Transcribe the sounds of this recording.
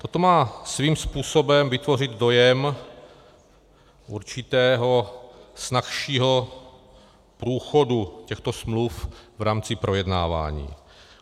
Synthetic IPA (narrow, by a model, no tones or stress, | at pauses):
t̪o̞t̪o̞maːsviːmspuːso̞bɛmvɪt̪vo̞rɪd̪do̞jɛm | ʔuɾt͡ʃɪt̪ɛːɦo̞snaxʃiːɦo̞ | pɾuːxo̞ducɛxt̪o̞smlufvɾaːmt͡sɪpɾʔo̞jɛdna̰ːva̰ːɲḭː